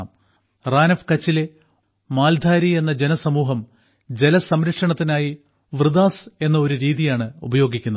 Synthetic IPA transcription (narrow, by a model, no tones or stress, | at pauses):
m | raːnɐfkɐt͡ɕːile | maːld̪ʱaːɾie̞nːɐd͡ʑe̞nɐsɐmuːɦɐm | d͡ʑe̞lɐsɐmɾɐkʂɐɳɐt̪ːinaːji | ʋrɨd̪aːse̞nːɐo̞ɾuɾiːðijaːɳɨubɐjo̞ːɡikʲːunːɐ